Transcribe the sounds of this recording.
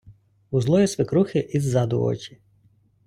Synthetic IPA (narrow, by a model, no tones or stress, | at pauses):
uzlˠɔjisʋɪkɾuxɪʔizːɑd̪ʊ̰ɔ̰t͡ʃʲi̥